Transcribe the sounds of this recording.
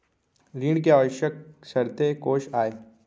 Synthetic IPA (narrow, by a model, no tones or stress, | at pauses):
ɾiːɳkeɔːʋʃək̚sɐɾt̪ekoːʃaːeː